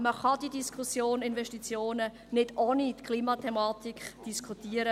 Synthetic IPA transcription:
məχɑd̥idiskʰusjoːnɪnvɛʃtit͡sjoːnə | nɪdoːnitkʰliːmɑtʰɛmɑːt̪ikʰd̥iskʰutiəɾə

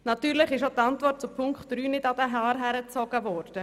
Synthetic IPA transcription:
nɑt̪yːɾlɪχɪʃot̪ɑnt̪vɔrt̚t͡supʰʊŋkχtɾyːnɪdɑd̥̪əɦɑːɾɦæɾət͡sɔɡ̥əvɔːɾd̥ə

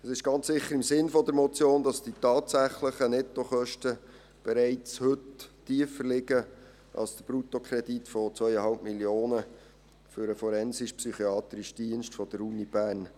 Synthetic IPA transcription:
əsɪʃɡ̥ɑnt͡ssɪχːəɾɪmsɪnfɔdəɾmɔt͡sjoːndɑsd̥itɑːtsæχləχənɛt̪ːoχœʃtə | b̥ɛɾæɪt͡shɵttiəfəlɪɡə | ʔɑ̰lsd̥əb̥ɾutokʰɾɛd̥itfɔt͡sʋœʏəhɑlpmiljoːnə | fʏɾəfɔɾɛnsɪʃpsyχiɑːt̪ɾɪʃd̥iənʃtfɔd̥əɾunib̥æːɾn

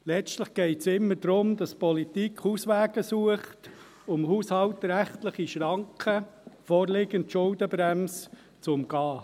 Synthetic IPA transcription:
lɛt͡stləχɡ̥ɛɪtsɪmːəɾd̥ɾʊmd̥ɑspɔlit̪ikχhuːsʋæːɡ̥əsuəχt | ʊmhuːshɑlt̪ɾæχtləχiʃɾɑŋkʰəfɔːɾlɪɡəntʃʊldəbɾæms | t͡sʊmɡ̥ɑː

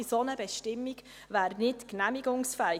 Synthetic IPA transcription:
isonəbɛʃtɪmːiɡ | væːɾnɪtknæmiɡʊŋsfɛɪ

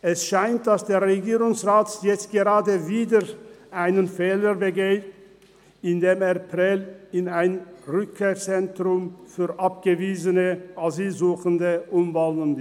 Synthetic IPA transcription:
ʔɛsʃaɪnt̚d̥asd̥eːɐʁeɡiːʁʊŋsʁaːtjɛt͡st̚ɡ̥əʁaːdəviːdəʔaɪnənfɛːləbəɡeːt | ɪndeːmeɐpʁɛlɪnaɪnʁʏkʰːeːɐt͡sɛntʁʊmfyːɐʔap̚ɡ̥əviːzənəʔaziːlzuːxəndəʔʊmvalənd

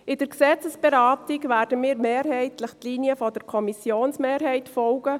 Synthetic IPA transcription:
ɪd̥əɾksɛt͡səsb̥eɾɑːtɪɡvɛːɾdəmiːɾmeːɾhɛɪtlɪχtliːniəfɔdəɾkʰɔmisjoːnsmeːɾɦɛɪtfɔlɡ̥ə

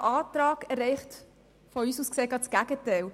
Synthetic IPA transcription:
ʔɑːtɾɑːɡɛɾɛɪχt | fɔyːsuːskseːɡɑtsɡ̥æɡ̥ətɛɪl

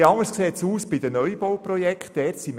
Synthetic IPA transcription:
ɑŋəskseːt̪suːsb̥id̥̪ənœʏbowprɔjɛkχtdɛːrtsim

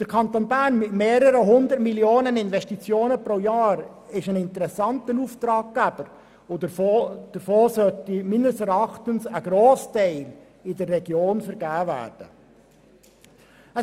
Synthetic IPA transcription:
d̥əɾkʰɑnt̪onbæɾnmɪtmeːɾəɾəɦʊnd̪əɾtmiljoːnənɪnvɛʃtit͡sjoːnəpɾojɑːɾ | ɪʃənɪntəɾɛsɑnt̪ənuft̪ɾɑːɡ̚ɡ̥æb̥əɾ | o | d̥əɾfoːsœtimɪnəsɛɾɑχt̪ənsəɡɾoːstɛɪl | ɪdərːɛɡ̥joːnfəɾɡæːvæ̰ːɾd̥ə | ə

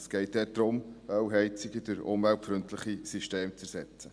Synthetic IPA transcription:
sɡ̥ɛɪt̚d̥̪ɛːɾd̥ɾʊmœwɦɛɪt͡siɡəd̥əɾʊ̰mvæltfɾɵntʰləχisiʃteːmt͡sɛɾsɛt͡sə

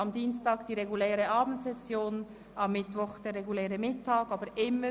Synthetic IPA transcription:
ɑmdiːnstɑːɡd̥iːʁɛɡulɛːʁəʔɑːbn̩tsɛsjoːn | ɑmːɪtʋɔχd̥eːɾːɛɡulɛːʁəmɪtːɑːɡɑːbəɾʔɪmːə

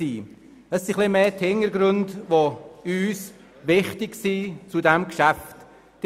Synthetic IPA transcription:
iː | əsːiχlimeːthɪŋəɾɡɾøndʋoyːs | ʋɪχtɪksit͡sudɛmkʃæft | d̥

